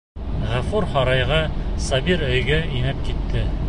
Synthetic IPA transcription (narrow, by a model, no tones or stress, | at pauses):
ʁæfuɾχɑɾɑjʁɑsɑbiɾɵ̆jɡɘinɘp̚kit̪ʰːɘ